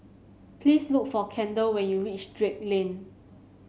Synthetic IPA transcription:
pʰlislukfɔkʰɛ̃ndəlwɛ̃njuɹit͡ʃdɹek̚lẽn

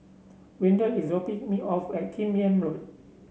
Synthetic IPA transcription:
wĩndəisopĩŋmiʔɔfɛt̚kʰĩmiə̃nɹot̚

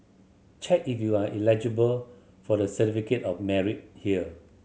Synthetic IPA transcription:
t͡ʃʰɛk̚ifjuaʔilɛd͡ʒəbəl | fɔdəsətifiketɔfmɛɹit̚hiə

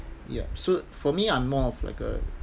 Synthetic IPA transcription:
jɛ̰sofɔmiãnmɔfla̰ɪkə̰

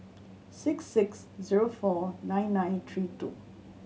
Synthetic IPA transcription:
sɪksːɪks | ziɹofɔnãɪ̃nːãj̃nt̪ʰɹitṵ

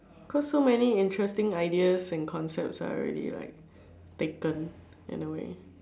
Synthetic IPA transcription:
kʰɔsːomɛniɪ̃ntʰɹɛstɪ̃ŋaɪdiəsɛ̃nkʰɔ̃nsɛp̚tsa̰ɔ̰ɹɛ̰dḭla̰ɪk̚ | tekə̃n | ɪ̰̃nəwḛ

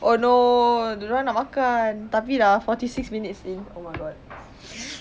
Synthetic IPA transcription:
ʔono | ãnaʔmakant̪apidɛfɔtisiksmĩnit̚siŋomajɡɔt̚

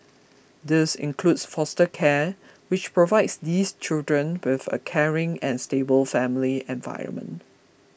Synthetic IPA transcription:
dɪsɪ̰̃nkʰludsfɔstəkʰɛ | wɪt͡ʃpɹovaɪdsdist͡ʃɪldɹə̃nwɪθə̰kʰɛɹɪ̃ŋɛ̃nstebəlfɛ̃mliɛ̃nva̰ɪɹə̰̃nmə̰̃nt

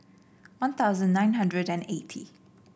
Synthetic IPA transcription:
wãnt̪ʰaʊzə̃nnːãɪ̃nɦãndɹədɛ̃netʰḭ

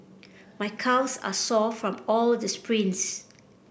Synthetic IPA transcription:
majkʰawsa̰sɔfɹɔ̃mɔldəspʰɹĩns

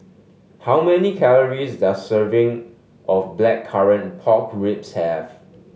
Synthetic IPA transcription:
hawmɛnikʰɛləɹisdassəvɪ̃ŋ | ʔɔfblɛkʰːaɹə̃npʰɔkɹɪpshɛv

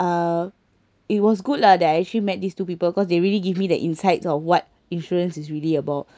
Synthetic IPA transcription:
a | it̚wɔs̬ɡudədɛtaɛk̚t͡ʃəlimɛt̚distupipəbkɔsdeɹiliɡivmidə̰ʔĩnsaɪtsɔfwɔt̚ | ĩnʃɔɹə̃nsisɹiliəbaʊt̚

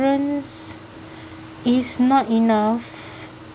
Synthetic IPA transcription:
ɹə̃ns | isnɔtinaf

